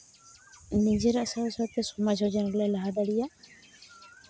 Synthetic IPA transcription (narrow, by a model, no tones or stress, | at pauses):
nid͡ʒeɾaʔsaɔsɔt̪ɛsɔmad͡ʒʱɔd͡ʒɔnɡlajlaɦad̪aɽija